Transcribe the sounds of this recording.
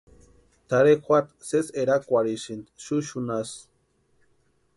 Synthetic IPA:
t̪aɾexʷat̪seseɾakʷaɾiʃint̪ʃuʃunas

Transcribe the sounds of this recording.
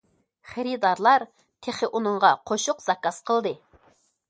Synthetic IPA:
χeɾid̪ɑɾlˠɑɾ | t̪ʰeχɪʔunɨɴʁɑqʰoʃʊqzɑkɑsqʰəlˠd̪ɨ

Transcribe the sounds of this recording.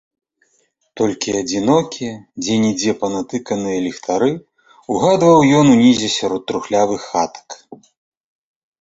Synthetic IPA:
t̪ɔlʲkʲiad͡zʲinɔkʲiɛd͡zʲɛnʲid͡zʲɛpɐnat̪ɨkɐnɨjɐlʲixt̪ʰaɾɨ | uɣad̪vɐwjɔnunʲizʲɛsʲaɾɔt̪ːɾuxlʲavɨxːat̪ɐ̥k

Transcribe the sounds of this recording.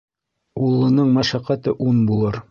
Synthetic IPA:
ulˠːɤ̆nɤɴmæʃæqæt̪ɤʔunbulˠɤɾ

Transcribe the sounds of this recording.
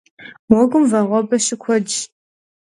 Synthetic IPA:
wɔɡʷʊmvɐʁʷɔbɐʃɪkʷʰɔd͡ʒ

